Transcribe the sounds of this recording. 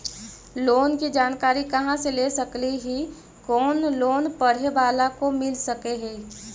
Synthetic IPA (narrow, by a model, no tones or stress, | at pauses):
loːnkid͡ʒaːnkaːɾikɐɦãseleːsɐkliɦi | kɔːnloːnpɐɽ̤eʋaːlakomɪlsɐkeɦɛ̃ː